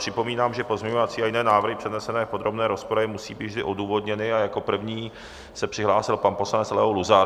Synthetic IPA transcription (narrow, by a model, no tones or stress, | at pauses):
r̥ɪpo̞miːnaːmʒɛpozmɲɛɲovat͡siːajɪnɛːnaːvr̩ɦɪpr̥ɛdnɛsɛnɛːpo̞d̪ɾo̞bnɛːɾospoɾaɪmusḭːbiːd̪vʒdɪʔo̞duːvo̞dɲɛnɪajako̞pr̩vɲiː | sɛpr̥ɪɦlaːsɪlpanpo̞slanɛt͡slɛɦowluza